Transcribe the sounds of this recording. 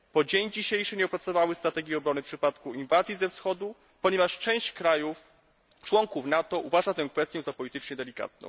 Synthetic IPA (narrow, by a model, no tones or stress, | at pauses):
pɔd͡ʑeɲd͡ʑiɕejʂɘɲɛɔpɾat̪sɔvawɘst̪ɾat̪ɛɡʲjiɔbɾɔnɘfpʂɘpat̪kuinvazʲjizɛfsxɔd̪u | pɔɲɛvaʂt͡ʂɛ̃w̃ɕt͡ɕkɾajuf | t͡ʂwɔŋkufnat̪ɔʔuvaʐat̪ɛ̃w̃kfɛst̪ʲjɛ̃zapɔlʲit̪ɘt͡ʂɲɛd̪ɛlʲika̰t̪̚nɔ̰̃w̃